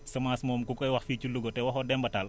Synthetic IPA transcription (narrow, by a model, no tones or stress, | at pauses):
sɐmaːsmɔːmkukɔjwɐxficuluɡɔtɛwɐxɔdɛmbɐtal